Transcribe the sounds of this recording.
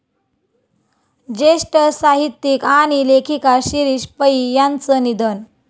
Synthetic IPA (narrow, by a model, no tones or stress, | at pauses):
d͡ʑeʂʈəsaɦit̪ːikaɽ̃ilekʰikaɕiɾiːɕpəijant͡sənid̪ən